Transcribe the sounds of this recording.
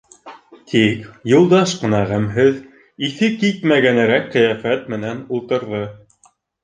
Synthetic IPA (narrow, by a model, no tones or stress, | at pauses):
t̪ʰikjulˠd̪ɑʃqɤ̆nɑʁæmɦɘð | iθɘkit̪mæɡænɘ̆ɾækːɘ̆jæfæt̪mɘ̆nænulˠt̪ɤ̆ɾðɤ